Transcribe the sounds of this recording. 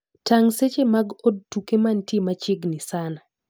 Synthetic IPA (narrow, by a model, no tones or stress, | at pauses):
taŋset͡ʃemaɡod̚tukemantjemat͡ʃɪɡnɪsana